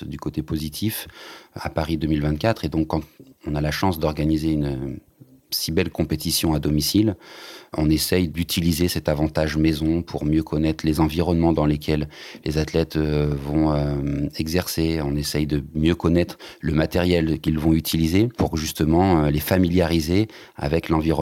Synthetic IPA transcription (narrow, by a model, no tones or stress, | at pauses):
d̪ykot̪epozit̪ʰifa̰paʁid̪ømilvɛ̃t̪̚kʲat̪χed̪ɔ̃kːɑ̃t̪ɔ̃nalaʃɑ̃sd̪ɔʁɡanizeyn | sibɛlkɔ̃pet̪isjɔ̃ad̪ɔmisilɔ̰̃nesɛjd̪yt̪ʰilizesɛt̪avɑ̃t̪aʒmezɔ̃pʰuʁmjøkʰɔnɛt̪χlezɑ̃viʁɔnmɑ̃d̪ɑ̃lekʰʲɛllezat̪lɛt̪vɔ̃øɛɡzɛʁseɔ̃nesɛjd̪əmjøkɔnɛt̪χləmat̪ɛʁjɛlkʲilvɔ̃yt̪ʰilizepuʁʒyst̪əmɑ̃ølefamiljaʁize | a̰vɛklɑ̃viʁɔ